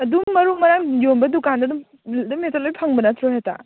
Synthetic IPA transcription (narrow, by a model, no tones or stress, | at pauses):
ɐdumːɐɾumɐɾajombɐdukandɐdum | dumetɐlojpʰɐŋbɐnatʰɾoɦeta̰